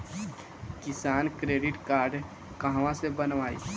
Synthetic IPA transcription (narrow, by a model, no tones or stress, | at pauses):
kɪsaːnkɾeːɖɪʈkaːɾɖ | kə̃ɦʋãsebənʋaːḭː